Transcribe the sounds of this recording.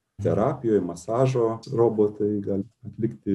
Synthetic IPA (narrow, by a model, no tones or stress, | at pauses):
t̪ʲɛɾɑːpʲɪjoːjmɐsɑːʒoːroːboːt̪ɐɪɡɑlʲɐt̪ʲlʲɪkt̪ʲɪ